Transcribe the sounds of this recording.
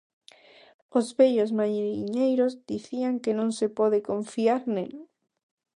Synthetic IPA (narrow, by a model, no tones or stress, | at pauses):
ozβeʎozmajɾiɲejɾozd̪iθiaŋkenõŋsepɔðekoɱfiaɾnel